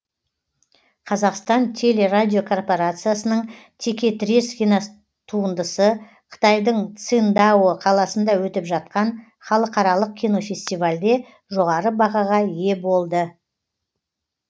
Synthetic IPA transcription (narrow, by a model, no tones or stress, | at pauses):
qʰɑzɑqst̪ɑnt̪ʲʰe̞le̞rad̪ʲijo̞kʰo̞rpo̞ɾat̪sɨjasənəɴt̪ʰe̞kʲe̞t̪ɾʲiskʲina | t̪ʰuənd̪əsə | qʰə̥t̪ɑjd̪əɴt̪sɨnd̪ɑwəqʰɑlˠɑsənd̪ɑwɵt̪ɪpʒɑt̪̚qɑn | χɑlˠəqɑɾɑlˠəq̚kʲʰino̞fʲe̞sʲt̪ijvalʲd̪e̞ | ʒo̞ʁɑɾəbɑʁɑʁɑje̞bo̞lˠd̪ə